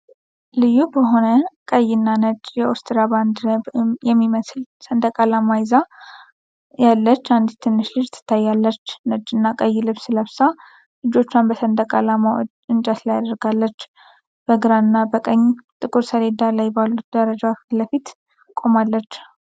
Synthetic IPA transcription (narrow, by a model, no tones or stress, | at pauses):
lɨjːubəɦo̞nəkʼəjːɪnːanət͡ʃʼjɛost̪ɨɾaband̪jɛmːiməslsənd̪ʼəkʼalamajza | jalːət͡ʃːand̪it̪ʰːɨnːɨʃlɨd͡ʒt̪ʰːɨ̥t̪ʰːajːalːət͡ʃːnəd͡ʒʼɨnːakʼəjːlɨβsɨləβsa | lɨd͡ʒo̞t͡ʃːʊanbəsənd̪ʼəkʼalamad̪ɨnt͡ʃʼat̪lajad̪əɾɡalːət͡ʃː | b̥əɡɨɾaɨnːabəkʼəɲːt̪ʼɨkʼɨɾsəɾe̞d̪alajbalːut̪̚d̪əɾəd͡ʒawafləfit̪ | kʼo̞malːət͡ʃː